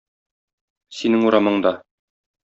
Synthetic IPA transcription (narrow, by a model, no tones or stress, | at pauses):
sinɘŋuɾɑmɤ̆ɴd̪ɑ